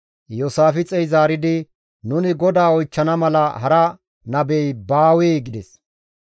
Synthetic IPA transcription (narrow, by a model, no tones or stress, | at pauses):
joːsaːfɪt͡sʼɛjzaːɾɪd̪ɪ | nʊnɪɡɔd̪aːɔjt͡ʃːɐnɐmɐlɐhɐɾɐ | nɐbɛjbaːwɛːɡɪd̪ɛs